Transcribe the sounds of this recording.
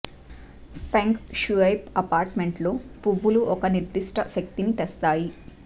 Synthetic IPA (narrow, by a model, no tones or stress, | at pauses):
pʰeŋkʃuɐjpɐpaːɾʈmeɳʈloːpuʋːuluʔɔkɐniɾd̪iʂʈɐʃɐk̚t̪init̪ɛst̪aːji